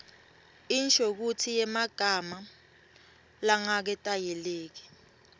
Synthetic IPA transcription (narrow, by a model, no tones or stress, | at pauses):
int͡ʃʼok̬utʰijɛmaɡ̥ʱama | laŋak̬ɛtʼajɛleːk̬i̥